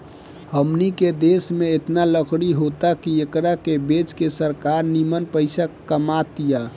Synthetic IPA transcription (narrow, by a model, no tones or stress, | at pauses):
həmniked̪esmeet̪naləkʰɽiɦot̪akiekɾakebet͡ʃkesəɾkaɾnimənpəɪsakəmat̪ija